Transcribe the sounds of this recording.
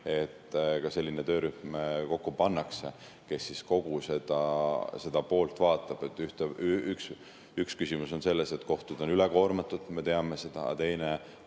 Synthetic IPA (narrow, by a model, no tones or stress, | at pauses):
e̞t̪ːkɑse̞lʲːinet̪ø̞ːɾyhmko̞kːupɑnːɑkse̞ | ke̞sːisko̞ɡ̥use̞d̪̥ɑse̞d̪̥ɑpo̞ːlt̪vɑːt̪ːˑɑb̥et̪ːˑyht̪eyks | ykskysimuso̞nse̞lːe̞set̪ko̞ht̪ud̪̥o̞nyleko̞ːrmɑt̪ːˑud̪̥me̞t̪e̞ɑme̞se̞d̪̥ɑ̰ɑ̰t̪e̞jne̞